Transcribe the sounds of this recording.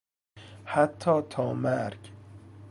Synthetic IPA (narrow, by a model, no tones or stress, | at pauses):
hat̪ʰːɒːt̪ʰɒːmæɾɡ